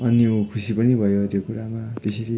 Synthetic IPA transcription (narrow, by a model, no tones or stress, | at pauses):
ʌnjikʰusipʌnibʱʌjot̪jokuɾamat̪eseɾi